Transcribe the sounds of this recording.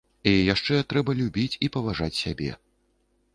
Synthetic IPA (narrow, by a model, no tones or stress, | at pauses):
ɛjaʂt͡ʂɛt̪ɾɛbɐlʲubʲit͡sʲipɐvaʐat͡sʲsʲabʲɛ̰